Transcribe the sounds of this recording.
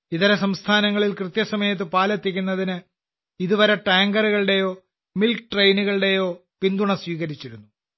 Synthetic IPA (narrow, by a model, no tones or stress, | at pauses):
iðɐɾɐsɐmst̪ʰaːnɐŋːɐɭilkrɨt̪jɐsɐmɐjɐt̪̬ːɨpaːlɐt̪ːik̬ʲːunːɐðinɨ | iðuʋɐɾeʈaːŋɡɐruɣɐɭɨɽe̞jo̞ː | milkʈrejnuɣɐɭɽe̞jo̞ːpind̪uɳɐsʋiːɣɐɾit͡ɕːiɾunːu